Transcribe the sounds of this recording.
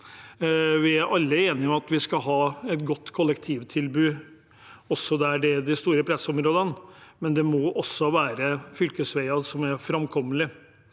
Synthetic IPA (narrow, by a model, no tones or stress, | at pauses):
ʋɪæɾʔɑlːəeːnɪɔmɑt̪ʋɪskɑɦɑːɛt̪ɡɔt̪ːkʰɔlːɛkt̪ʰiːʋt̪ʰɪlbʉː | ɔsːɔd̪ɛæɖɛd̪ɪst̪uːɾəpʰɾɛsɔmɾoːd̪ənmɛnd̪ɛmɔʔɔsːɔʋæːɾəfʏlkəsʋæɪɑsɔmæɾfɾɑmkʰɔmːəlɪ